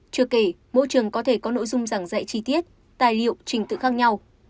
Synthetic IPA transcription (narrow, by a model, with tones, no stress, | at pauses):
t͡ɕɨ˧˩əke˧˩ | mo̰˧˨jt͡ɕɨ˨˩əŋkɔ˨˦t̪ʰe˧˩kɔ˨˦no̰˧˨jzʊ˧ŋ͡mza˧˩ŋzə̰˧˨jt͡ɕi˧t̪i˦˥ət̚ | t̪aː˨˩jlḭ˧˨əwt͡ɕï˨˩ŋ̟t̪ɨ̰˧˨xaː˦˥k̚ɲa˧w